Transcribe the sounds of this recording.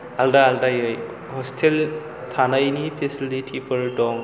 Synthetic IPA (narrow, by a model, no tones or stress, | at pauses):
aldaːldajɯj | hɔstʰel | tʰanajnipʰesilitʰipʰəɾdɔm